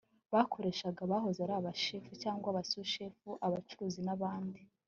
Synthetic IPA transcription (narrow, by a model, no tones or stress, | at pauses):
βakʰo̞ɾe̞ːʃaɡaβaɦo̞zaɾaːβaʃefucaːŋɡwaβasuʃefuʔaβat͡ʃuɾuːzinaβaːndi